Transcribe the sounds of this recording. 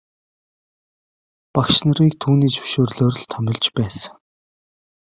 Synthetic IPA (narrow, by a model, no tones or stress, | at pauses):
pakʃnə̆ɾiːk̚t̪ʰuːniːt͡sɵ̥ʃoːrɮoːr̆ɮt̪ʰœmʲɪ̆ɮt͡ɕpæːsə̥